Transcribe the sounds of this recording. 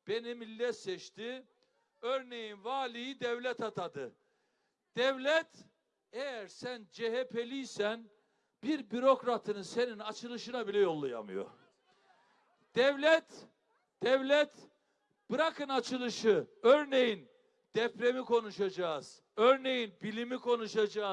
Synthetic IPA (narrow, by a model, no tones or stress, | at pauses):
b̥enimilʲːɛt̪sɛt͡ʃt̪ʰi | øɾne̞jinvaːlʲijid̪ɛvlʲɛt̪ʰat̪ʰad̪ɯ | d̪̥ɛvlʲɛt̪ | ejæɾsænd͡ʒeɦepʰelʲijsæn | biɾbyɾo̞kɾat̪ʰɯnɯse̞ninat͡ʃʰɯlˠɯʃɯnabilʲɛjo̞lˠːuja̰mɯ̰jo̰ | d̪̥ɛvlʲɛt̪ | d̪̥ɛvlʲɛt̪ | b̥ɯɾakʰɯnat͡ʃʰɯlˠɯʃɯøɾne̞jin | d̪̥ɛpɾe̞mikʰo̞nuʃad͡ʒaːz̥ | øɾne̞jinbilʲimikʰo̞nuʃad͡ʒaː